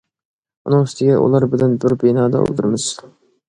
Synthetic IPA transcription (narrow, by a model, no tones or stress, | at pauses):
unɨŋst̪ɪɡʲɛʔṵlˠɑɾbɪlɛnbɪɾbenɑːd̪ɑ̰o̰lˠd̪ɨɾmɨz̥